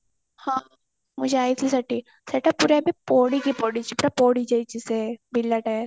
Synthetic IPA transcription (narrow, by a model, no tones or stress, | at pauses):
hãː | mʊd͡ʒʱeaːit̪ʰisɐʈːi | sɐʈapuːɾebʱipoːɽikipoːɽit͡ʃʰipuːɾapoːɽid͡ʒɐit͡ʃisebɪlːɐʈɛɾ